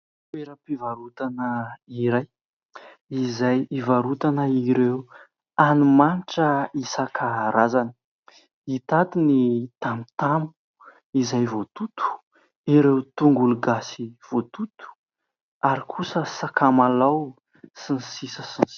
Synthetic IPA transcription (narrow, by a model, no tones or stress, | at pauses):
peɾapivaɾut̪anəiɾaj | izajivaɾut̪anəiɾew | anumanʈ͡ʂəisakʰaɾazanə̥ | it̪at̪init̪amit̪ambu̥ | izajvot̪ut̪u̥ | iɾewt̪uŋɡuluɡasiv̥ot̪ut̪u̥ | aɾikʰusəsakamalaw | sinsisəsin